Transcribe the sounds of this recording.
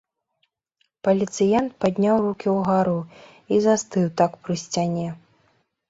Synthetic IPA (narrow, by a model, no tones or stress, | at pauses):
pɐlʲit̪sɨjɛnt̪̚pad̪ʲnʲawrukʲiwɣaɾu | izast̪ɨwt̪akpɾɨsʲt͡sʲanʲɛ